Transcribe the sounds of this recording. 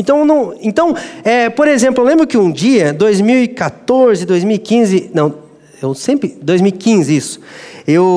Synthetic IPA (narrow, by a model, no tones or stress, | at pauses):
ẽt̪ɐ̃w̃nɐ̃w̃ẽt̪ɐ̃w̃ɛpoɾezẽmplʊewlẽbɾʊkɪũd͡ʒiɐd̪ojzmiwikat̪oɾzɪd̪ojzmiuwikĩzɪnɐ̃w̃ | ewsẽmpɾɪd̪ojzmiwikĩzɪisʊ̥ew